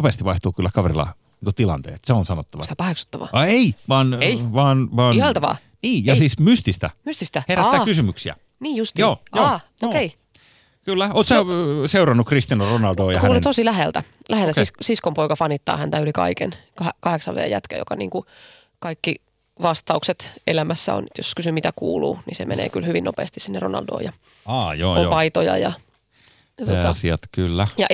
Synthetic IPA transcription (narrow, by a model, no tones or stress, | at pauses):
opest̪iʋʋɑiht̪uːkylːækɑʋḛrilɑ̰ | niːŋkot̪ilɑ̰nt̪ḛːt̪seonsɑnot̪ːɑʋɑst̪æpɑheksu̥t̪ːɑʋɑ̰ɑeiʋɑːneiʋɑːnʋɑːnihɑlt̪ɑʋɑ̰ː | niːjɑsiːsmyst̪ist̪æ̰myst̪ist̪æheæːæːkysymyksiæ̰ | niːjjust̪ijoːoː | okei | kylːæoːt̪sɑseurɑnːukrist̪inoronɑldoːjɑhkuæːlent̪osilæɦḛlt̪æ | læhelt̪æsissiskompoikɑfɑnːit̪ːɑ̰ːhænt̪æylikɑ̰ikḛnkɑekɑheksɑʋḛːjæt̪kæjo̰kɑnḭːŋku | kɑikːi | ʋɑst̪ɑukset̪elæmæsːæ̰o̰nt̪joskysymit̪ækuːlṵːnisemḛnḛːkylhyʋinːʔopḛːst̪issinːeronɑ̰ldo̰ːjɑ | ɑːjo̰ːopɑit̪ojɑ̰jɑ | jɑt̪ot̪ɑsiɑt̪kylːæjɑʔ